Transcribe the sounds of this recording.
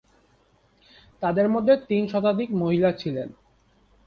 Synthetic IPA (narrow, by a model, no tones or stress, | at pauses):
t̪ad̪eɾmod̪ʱːet̪inʃɔt̪ad̪ikmoɦilat͡ɕʰilen